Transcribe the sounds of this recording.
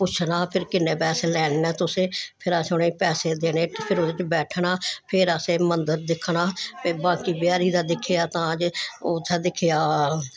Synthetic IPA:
pʊt͡ʃʰnaːpʰɪɾkɪneːpɛːseːlɛːɽ̃ːɛːt̪ʊsẽːpʰɪɾaːsʊnẽːpɛːseːd̪eːneːtpʰɪɾod̪ɪt͡ʃbɛːʈʰɳaːpʰɪɾaːseːmənd̪əɾd̪ɪkʰːɳaːpebãːkiːbjaːɾiːd̪aːd̪ɪkʰːejaːt̪ãːəd͡ʒʊt̪ʰːɛːd̪ɪkʰejaː

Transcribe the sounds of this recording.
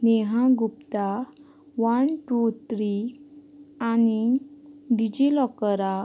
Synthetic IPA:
neɦãɡupt̪a | ʋanʈut̪ʰɾi | ani | ɖid͡ʑilɔkəɾa

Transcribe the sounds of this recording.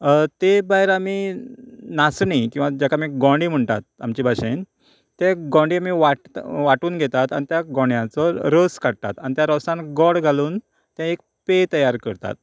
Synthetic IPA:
t̪ebaɦeɾami | nasɳikĩw̃ʋad͡ʑakʰamiɡɔ̃ɳɖiːm̤əɳt̪a̰t̪̚amt͡ɕibʱaɕen | t̪eɡɔ̃ɳɖiamiʋaʈʋaʈuːnɡʱet̪at̪anit̪jaɡɔ̃ɳjãt͡sɔɾəskaɽ̚t̪a̰t̪anit̪jaɾɔsãnɡɔɽɡʱaluːn | t̪jãek̚ | pet̪əjaɾkəɾt̪a̰t̪̚

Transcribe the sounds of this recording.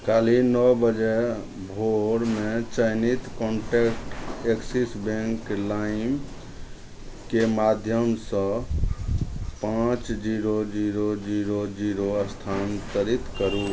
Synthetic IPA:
kalinɔbəd͡ʒe | bʱoɽmet͡ʃəjnit̪kɔɳʈekʈeksisbẽŋklaim | kemad̪ʱjəmsə̃ | pãt͡ʃd͡ʒiɾod͡ʒiɾod͡ʒiɾod͡ʒiɾoəst̪ʰant̪əɾit̪kəɾu

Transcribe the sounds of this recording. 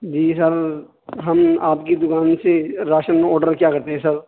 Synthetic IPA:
d͡ʒiːsɐɾ | ɦɐmaːpkid̪ʊkaːnseɾaːʃənɔːɾɖəɾkjaːkɐɾt̪eɦɛ̃sɐɾ

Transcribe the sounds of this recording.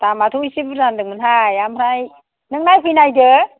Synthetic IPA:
tamatʰuisibɯandɯŋmɯnɦajamɾaj | nɯŋ̚najpʰɯjnajdɯ

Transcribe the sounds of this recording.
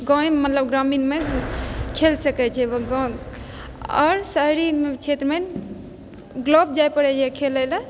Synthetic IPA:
ɡɔ̃ẽmət̪ləbɡɾaminme | kʰelsəkɛt͡ʃʰɛʋəɡɔ̃ | ɔ̰ɾsəɦɾimet͡ʃʰet̪ɾmen | ɡlob̚d͡ʒajpəɽɛd͡ʒɛkʰelələ

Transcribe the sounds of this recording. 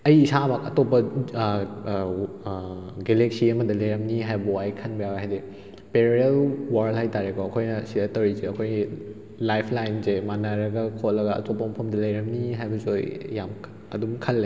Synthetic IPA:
ɐjːsabakɐtopːɐ | ɡeleksiɐmɐdɐlɐjɾɐmniɦajbɐajkʰɐnbɐjawɡaɦajde | peɾielwaɾlhajtaɾekʰɔɐkʰojnɐsidɐtɐwɾizeɐkʰojɡi | lajpʰlajnzemanaɾɐɡɐkʰot̚lɐɡɐɐ̰topːɐmɐpʰɐmdɐlɐjɾɐmniɦajbɐzojːam | ɐ̰dumkʰɐlːe

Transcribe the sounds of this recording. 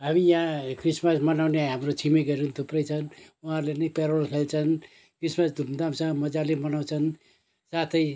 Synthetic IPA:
ɦamijãkrismʌsmʌnawneɦamrot͡sʰimiɡʌɾunt̪uprʌjt͡sʰʌnuɦãrlenʌjpeɾolkʰelt͡sʰʌn | krismʌsd̪ʱumd̪amsʰãmʌd͡zalemʌnaw̃t͡sʰʌn | sat̪ʰʌj

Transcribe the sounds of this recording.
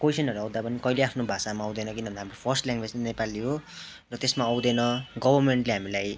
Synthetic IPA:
kojsʌnʌɾuʌw̃d̪apʌnikʌileapʰnobʱasamaʌw̃d̪ʌnʌkinʌnd̪aɦamropʰʌrsʈljaŋɡwed͡znepaliɦo | rʌt̪esmaʌwd̪enʌɡʌbʱʌrmeɳʈleɦamilaj

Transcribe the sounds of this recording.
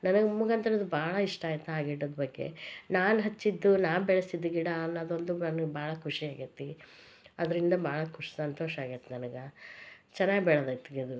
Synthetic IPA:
nɐnɐɡemuɡɐnt̪ɐɾɐd̪ubaːɭɐiʂʈaːjt̪ːɐaːɡiɽoːd̪bɐɡːe̞̰naːnɦɐt͡ʃːid̪ːunaːʋbɛɭɐsid̪ːuɡiɽɐnːɐːd̪o̞nd̪unɐnɐɡebaːɭɐkʰuʂiaːɡit̪ːi | ɐd̪ɐɾind̪ɐbaːɭɐkʰuʂi̥sɐnt̪o̞ːʃaːɡit̪ːenɐnɐɡɐt͡ʃɛnːaːɡbɛɭɐd̪ɐt̪ːiɡed̪u

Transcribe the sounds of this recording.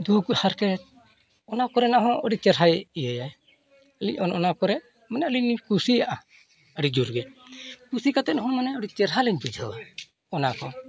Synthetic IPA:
d̪uɡuhaɾkɛt̪̚ | ɔnakɔɾɛnaɦɔ̃ʔəɖit͡ʃɛɾɦajijəjaj | əliɲɔnɔnakɔɾɛ | manɛəliɲkusijaʔa | əɖid͡ʒuɾɡɛkusikat̪ɛɦɔ̃manɛɔɖit͡ʃɛɾɦalɛɲbid͡ʒʱɔ | ɔnakɔ

